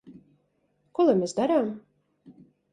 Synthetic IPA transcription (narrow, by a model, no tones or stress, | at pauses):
kɔlˠamʲesd̪aɾaːm